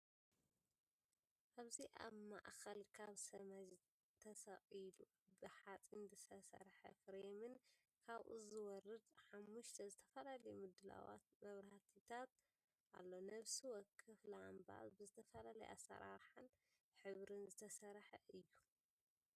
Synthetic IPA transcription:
ʔaβziʔa̰βma̰ʔxɐlkʰaβsɐmɐd͡ʒ | t̪ʰɐsɐʔʼilu | bɨħat͡sʼinzɨsɐsɐ̰ɾħɐ̰fɾemɨn | kʰaβʔṵzɨwɔɾɨd̪ħamːuʃt̪ʰɐzɨt̪ʰɐfɐlalɐjmɨd̪ɨla̰wa̰t̪̚mɐβɾat̪ʰit̪ʰat̪ | ʔa̰lːonɐβsiwɔkʰɨflamba̰sbɨzɨt̪ʰɐfɐlalɐ̰jʔa̰sːɐ̰ɾa̰ɾħan | ħɨβɾɨnzɨt̪ʰɐsɐɾħɐʔɨjːu

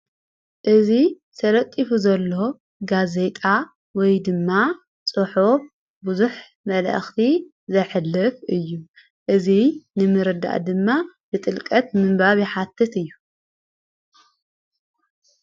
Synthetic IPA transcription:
ʔɨzi | sʰɐlɐt̪ʼːifuzɐlːo̞ | ɡaze̞t̪ʼa | wɔjd̪ɨmːa | t͡sʼɨħuf | buzuħ | mɐlʔɐ̰xt̪ʰi | zɐħɨlːɨfɨjːu | ʔɨzinɨmɨɾɨd̪a̰ʔd̪ɨmːa | bɨt̪ʼɨlkʼɐt̪̚mɨmbaβjiħat̪ʰːɨt̪ɨjːu

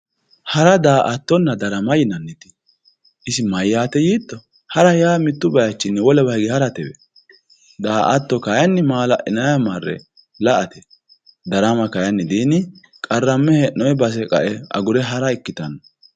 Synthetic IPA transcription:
hɐɾɐd̪aːʔɐt̪ːɔnːɐd̪ɐɾɐmɐjɪnɐnːɛt̪ɪ̥ | ʔɪsɪmɐjːaːt̪ɛjiːt̪ːɔ | hɐɾɐjaːmɪt̪ːʊbɐjɐt͡ʃːɪnːɛwɔlɛbɐjɡɪhɐɾɐt̪ɛwɛ̰ | d̪aːʔɐt̪ːɔkɐjɐnːɪmaːlɐ̰ʔɪnɐjɐmɐrːɛ̰ | lɐʔɐt̪ɛ | d̪ɐɾɐmɐkɐjɐnːɪd̪iːnɪ | kʼɐrːɐmːɛhɛnːɔjɛbɐs̬ɛkʼɐ̰ʔɛɐ̰ɡʊɾɛɦɐɾɐɪkːɪt̪ɐnːɐ

